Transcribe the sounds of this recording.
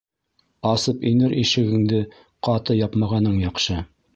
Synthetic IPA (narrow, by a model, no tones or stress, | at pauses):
ɑsɤpinɘɾʔiʃɘ̆ɡɘ̆ŋd̪ɘ | qɑt̪ɤjɑpmɑʁɑnɤɴjɑqʃɤ